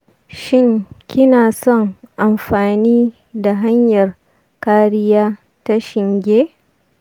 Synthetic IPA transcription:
ʃɪ˦ŋkʲɪ˦naː˨sɔ˦˨ŋʔa˨mɸaː˨niː˦ | da˨ɦa˦ɲjɐ˨r | kaː˦ɾɪ˦jaː˦ | ta˦ʃɪ˨ŋɡʲeː˦

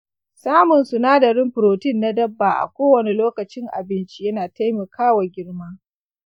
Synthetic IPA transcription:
saː˦mʊ˨nsu˨naː˦dɐ˨ɾɪ˦mɸʊ˨ɾoː˨tɪ˦nːa˦dɐ˦bːaː˨ʔa̰˨kʷoː˦wɐ˨ne˨loː˦kɐ˨t͡ʃɪ˦ŋʔa̰˨bɪ˦nt͡ʃi˦jɐ˦naː˨ta˦jmɐ˨kʰaː˦wa˨ɡʲɪ˦ɽmaː˦

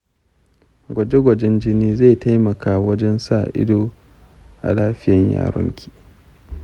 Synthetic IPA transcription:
ɡʷɐ˨d͡ʒe˦ɡʷɐ˨d͡ʒɛ˦nd͡ʒɪ˦niː˦za˦˨ta˦jmɐ˨kaː˦˨wɐ˦d͡ʒɛ˦nsaː˦˨ʔɪ̰˦doː˦ | ʔa̰˨laː˦ɸɪ˦jɐ˨ɲja̰ː˨ɾɔ̰˦ŋkʲi̥ː˦˨

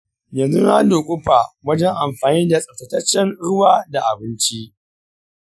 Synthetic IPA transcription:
jɐ˨nzu˦naː˦doː˨kʷʼʊ˦ɸa˨wɐ˦d͡ʒɛ˦ŋʔa˨mɸaː˨niː˦da˨sʼɐ˨tɐ˨tɐ˦t͡ʃːɛ˦nɽʊ˦waː˦da˨ʔa˨bɪ˦nt͡ʃi˦ʔ

